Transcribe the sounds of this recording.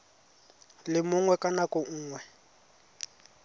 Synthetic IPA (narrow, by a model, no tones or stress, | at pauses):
lɪmʊŋwɛkʼanakʼɔŋ̩ːŋwɛ